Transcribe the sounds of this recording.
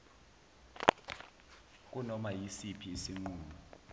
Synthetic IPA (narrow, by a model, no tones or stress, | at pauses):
k̬ʼunɔmajisipʰiesiŋ͡ǃuːnu